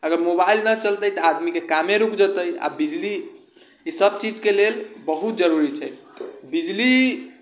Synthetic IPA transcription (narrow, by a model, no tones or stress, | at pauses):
əɡəɾmobailnət͡ʃəlt̪əjt̪əad̪mikekameɾukd͡ʒət̪əja̰bid͡ʒli | isəb̚t͡ʃid͡ʒkelelbəɦut̪̚d͡ʒəɾuɾit͡ʃʰɛ | bid͡ʒli